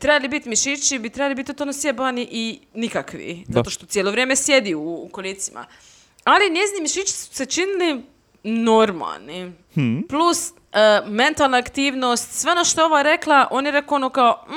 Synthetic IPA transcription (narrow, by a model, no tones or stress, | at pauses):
t̪ɾebalibit̪miʃit͡ʃibit̪ɾebalibit̪it̪onosjebaniʔinikakʋḭzaat̪oʃt̪o̞t̪jeloʋɾjeːmesje̞d̪iukolit̪sima̰ | alinezinimiʃit͡ʃi̥su̥se̞t͡ʃinili | no̞ɾma̰lˠni | plus | əme̞nt̪alˠnaakt̪iːʋnost̪sʋeonoʃt̪ooʋaɾeklˠaʔo̞ːnjeɾe̞koonokao